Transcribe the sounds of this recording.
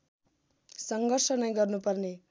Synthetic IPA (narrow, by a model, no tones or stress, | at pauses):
sʌŋɡʌrsʌnʌjɡʌrnupʌrne